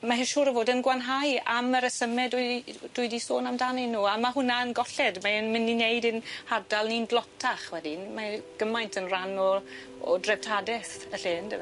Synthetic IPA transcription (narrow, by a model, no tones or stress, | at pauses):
maɦɪʃuːɾəvoːdənɡwanɦajaməɾəsəmɛdʊd̥ʊɨdisoːnamdanɪnːuːamaɦʊnaənɡɔɬɛdmaənmɪninejdɪnhadalˠnindlˠɔtʰaχwɛdinmaɡ̥əmajntʰənranɔ | ɔ̰drɛb̚tʰadɛθəɬeːndəv